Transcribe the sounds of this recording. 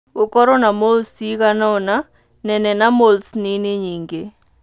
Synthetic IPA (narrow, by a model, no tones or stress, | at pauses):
ʊkɔɾɔnamolsikanɔna | nɛnɛnamolsnɪnɪɲiŋɡe